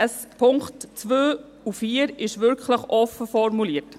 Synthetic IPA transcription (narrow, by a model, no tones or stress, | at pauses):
əs | pʰʊŋktt͡sʋøː | ufiːəɾɪʃʋʏɾkχləχʔɔfəfɔɾmuliət